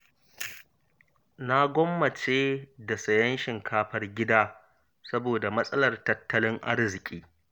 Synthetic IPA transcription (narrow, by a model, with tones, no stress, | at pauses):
na˦ɡʷɔ˦mːɐ˨t͡ʃeː˦da˨sɐ˨jɐ˦nʃɪ˨ŋkʰaː˦ɸɐ˦rɡʲɪ˦daː˦ | sɐ˦boː˨da˨mɐ˦sʼɐ˦lɐ˨rtɐ˦tʰːɐ˦lɪ˦ŋʔa̰˦rzɪ˨kʲʼiː˦